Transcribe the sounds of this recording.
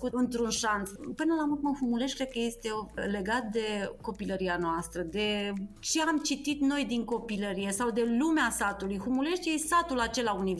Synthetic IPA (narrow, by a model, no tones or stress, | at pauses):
kuɨnt̪ɾunʃanspɨnəlamut̪̚məhumule̞ʃkɾed̪̚kəje̞st̪e̞le̞ɡat̪̚d̪e̞ko̞piləɾianoast̪ɾəd̪e̞t͡ʃe̞amt͡ʃit̪it̪no̞jd̪iŋko̞piləɾije̞sawd̪e̞lumeasat̪ulujɦumule̞ʃt̪jesat̪ulat͡ʃe̞launi